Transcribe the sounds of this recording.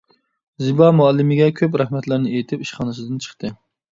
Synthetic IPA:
zɨbɑmuɑlˠːɪmɪɡʲɛkʲʰøpɾæhmɛt̪læɾnɪejit̪ʰɪpiʃχɑːnɨsɨd̪ɨnt͡ʃʰə̥χt̪ʰɨ

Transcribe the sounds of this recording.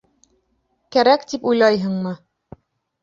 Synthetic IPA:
kæɾækt̪ipujlˠɑjɦɤ̆ɴmɤ

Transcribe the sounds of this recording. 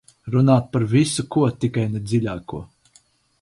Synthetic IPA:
ɾunaːt̪̚paɾvʲisukuɔt̪ikajned̪zilʲaːkuɔ

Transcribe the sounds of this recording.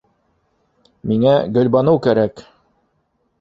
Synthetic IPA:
miŋæɡɵ̆lʲbɑnɤwkæɾæk

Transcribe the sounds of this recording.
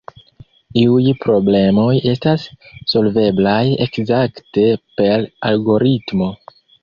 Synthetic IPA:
iujpɾo̞ble̞mo̞je̞stasːo̞lve̞blaje̞kzakte̞pe̞ɾalɡo̞ɾitmo̞

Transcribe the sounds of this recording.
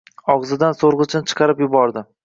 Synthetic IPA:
ɒʁzɪd̪ansoɾʁɨt͡ʃʰɪnɪt͡ʃʰɨ̥qʰɑɾɪpjʊbɒɾd̪ɪ

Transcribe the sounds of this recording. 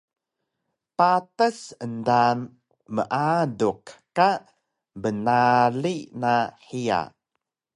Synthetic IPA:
patəsəndan | məʔadukka | bənalinaħia̰

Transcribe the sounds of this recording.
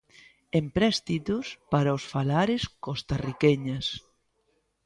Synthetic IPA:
empɾɛst̪it̪uspaɾaosfalaɾeskost̪arikɛɲas

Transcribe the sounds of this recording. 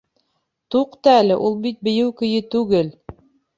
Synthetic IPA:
t̪uqt̪ɑælɘʔulˠbit̪̚bɘ̆jɘwkɵ̆jɘt̪ʉɡɘl

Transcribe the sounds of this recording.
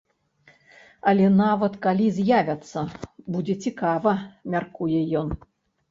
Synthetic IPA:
ɐlʲɛnavɐt̪kalʲizʲjavʲɐt̪sːɐbud͡zʲɛt͡sʲikavɐmʲarkujɛjɔn

